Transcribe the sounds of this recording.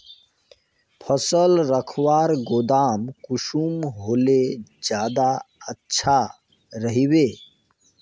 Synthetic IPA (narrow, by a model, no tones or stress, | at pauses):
pʰəsəlɾəkʰwaːɾɡod̪amkuʃumɦoled͡ʒjaːd̪aətːʃʰa | ɾəɦibe